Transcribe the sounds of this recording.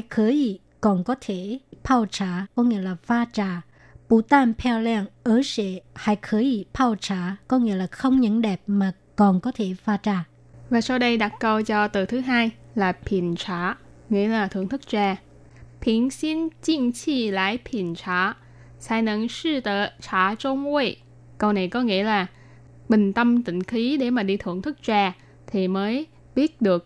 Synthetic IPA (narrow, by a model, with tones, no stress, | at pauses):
a˧jkʰəː˨˦i˧˩ | kɔ˨˩nkɔ˨˦t̪ʰe˧˩pʰaː˧wt͡ɕaː˧˩kɔ˨˦ŋḭ˧˥əlaː˨˩faː˧t͡ɕaː˨˩ | pu˧˩t̪aː˧npʰɛ˧lɛ˧nʔəː˨˦sɛ̰˧˩haː˧˩jkʰəː˨˦i˧˩pʰaː˧wt͡ɕaː˧˩kɔ˨˦ŋḭ˧˥əlaː˨˩xə˧wŋ͡mɲə̰˧˥nɗɛ˨˩p̚maː˨˩ | kɔ˨˩nkɔ˨˦t̪ʰe˧˩faː˧t͡ɕaː˨˧˩ | vaː˨˩sa˧wɗə˧jɗa˨˩t̚kə˧wt͡ɕɔ˧t̪ɨ˨˩t̪ʰɨ˨˦ɦaː˧jlaː˨˩pʰi˧˩ənt͡ɕaː˧˩ | ŋḭ˧˥əlaː˨˩t̪ʰɨ̰˧˩əŋt̪ʰɨ˦˥k̚t͡ɕaː˧ | pʰi˧˩ənsi˧ənt͡ɕi˧əŋt͡ɕi˧˩la̰ː˧˥˨jpʰi˨˩ənt͡ɕaː˧˩ | saː˧˩jnə̰˧˨ŋsi˧t̪əː˧˨t͡ɕʰaː˧˩t͡ɕo˧mwe˧˩ | kə˧wna˨˩jkɔ˨˦ŋḭ˧˥əlaː˨˩ | ɓï˨˩ŋ̟t̪ə˧mt̪ḭ̈˧˨ŋ̟xi˨˦ɗe˧˩maː˨˩ɗi˧t̪ʰɨ̰˧˩əŋt̪ʰɨ˦˥k̚t͡ɕaː˧ | t̪ʰi˨˩məː˨˦j | ɓi˦˥ət̚ɗɨ˨˩ək̚